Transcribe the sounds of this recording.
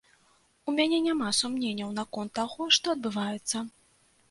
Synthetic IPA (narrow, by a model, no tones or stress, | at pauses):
umʲanʲɛnʲamasumnʲenʲːɐwnɐkɔnt̪ːaɣɔʂt̪ɔɐd̪bɨvajɛt̪sːɐ